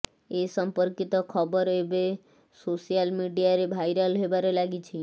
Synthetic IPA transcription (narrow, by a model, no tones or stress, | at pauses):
esəmpəɾkit̪ɔkʰɔbəɾebe | sosijalmiɖijaɾebʱajɾəlɦebaɾelaɡit͡ʃʰi